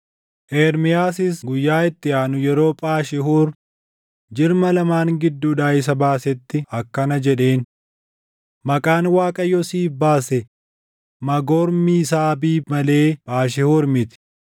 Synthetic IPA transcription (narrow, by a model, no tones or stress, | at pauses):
ʔeːɾmɪjaːsɪsɡʊjːaːɪt̪ːɪaːnʊjɛɾo̞ːpʼaːʃɪhuːɾ | d͡ʒɪɾmɐlɐmaːŋɡɪd̪ːuːᶑaːɪs̬ɐbaːsɛt̪ːɪɐkːɐnɐd͡ʒɛᶑe̞ːn | mɐkʼaːnwaːkʼɐjːɔsiːfbaːsɛ | mɐɡɔːɾmiːsaːbiːmɐle̞ːpʼaːʃ̬ɪhuːɾmɪt̪ɪ̥